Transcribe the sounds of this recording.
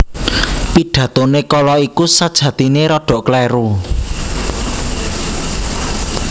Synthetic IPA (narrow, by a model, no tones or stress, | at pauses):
piɖ̥ä̤t̪onekɔlɔikusad̥ʒ̥ä̤t̪ineɾɔɖ̥ɔ̤ʔklɛɾu